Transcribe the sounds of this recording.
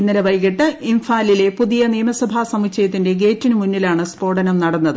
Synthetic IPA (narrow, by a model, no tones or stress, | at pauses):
inːɐɾɐʋɐjkiʈːɨiɱfaːlile̞puðijɐnijːɐmɐsɐbʱaːsɐmit͡ɕɐjɐt̪̬ːinde̞ɡe̞ːtːinumunːilaːɳɨspo̞ːɽɐnɐmnɐɽɐnːɐðɨ